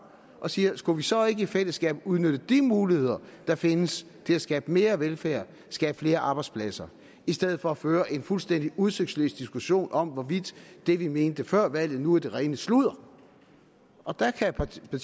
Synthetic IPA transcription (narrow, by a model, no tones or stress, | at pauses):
ʔɒ̽siːɐsɡ̥uʋisɒ̽e̝ɡ̥əifel̰əsɡ̥ɛ̰ːb̥uð̞ˠnød̥əd̥imuːlihe̝ð̞̰ˠɐd̥ɑ̈fe̝nəs | t͡sʰe̝æsɡ̥ɛːb̥əme̝ːɐʋelfæɐ̰ | sɡ̥ɛːb̥fle̝ːɐʔɑ̈ːb̥ɑɪdspʰlæsɐ | isd̥eð̞̰̩ˠfɒ̽æføːɐʔe̝nfulsd̥en̰d̥iuð̞ˠsøɡ̥d̥slø̰ːsd̥isɡ̥uɕo̝̰ːnʔɒ̽mʋɒʋid̥ːe̝ʋime̝ːnd̥əfɶɐ̰ʋæl̰ð̩ˠnuæd̥e̝ʁɛɪnəsluð̰ˠɐ | ʔɒ̽d̥ɑkʰæpʰ